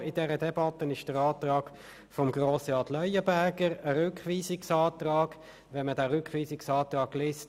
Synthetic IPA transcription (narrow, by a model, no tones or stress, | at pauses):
ɪdɛɾədɛbɑt̪ːənɪʃd̥əɾɑːt̪rɑːɡ̥ | fɔmɡʁoːsəɑtlœʏəbæʁɡəʁəɾʏkχʋiːsɪksɑːtʁɑːɡ̥ | ʋɛnmədæːɾʏkχʋiːsɪksɑːt̪rɑːɡleːst